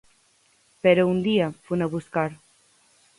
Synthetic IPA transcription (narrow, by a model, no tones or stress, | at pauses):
peɾound̪iafunaβuskaɾ